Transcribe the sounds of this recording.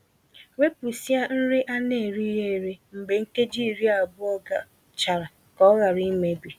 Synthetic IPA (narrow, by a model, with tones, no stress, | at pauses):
we˦pu˨si˦a˦n̩˦ɾɪ˦ʔa˦ne˨ɾi˦ɦe˦˨ɾe˦m̩˨be˨ŋ̩˦ke˦d͡ʒi˦˨ɾi˦a˨bʊ˦ɔ˦ɡa˨ | t͡ʃa˨ɾa˨ | kɔ˦ɣa˨ɾi˦me˦bi˨